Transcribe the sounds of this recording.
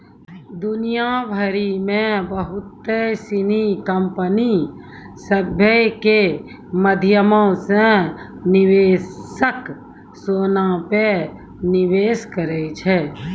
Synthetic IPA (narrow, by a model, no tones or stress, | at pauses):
d̪ʊnijabʱəɾimẽbəɦʊt̪ːesinikəmpəni | səbʱjəke | məd̪ʱjəmõsẽ | nɪʋeːsək | soːnape | nɪʋeːskəɾəit͡ʃʰɛː